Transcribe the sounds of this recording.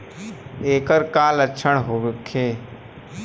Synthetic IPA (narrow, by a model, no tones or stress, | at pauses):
eːkəɾkaːlətːʃʰəɽ̃ɦoːʋkʰːeː